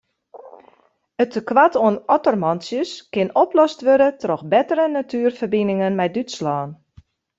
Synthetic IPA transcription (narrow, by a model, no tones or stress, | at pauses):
ətəkʋatoənɔtɔrmɔnsjəskɪnɔplɔstʋødətrɔxbɛtəɾənatʰyːərfərbinɪŋənmɛjdytslɔːn